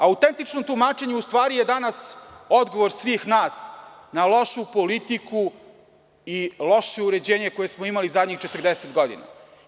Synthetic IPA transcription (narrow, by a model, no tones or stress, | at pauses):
aut̪ent̪it͡ʃnomt̪umaːt͡ʃe̞ɲeust̪ʋaːɾije̞d̪anasod̪ɡo̞ʋoɾsʋiːxnaːsnalo̞ʃupo̞lit̪ikʰu | ilo̞ʃeuɾe̞d͡ʑeːɲeko̞jesmoimalizad̪ɲixt͡ʃe̞t̪r̩d̪eset̪ɡo̞d̪ḭna̰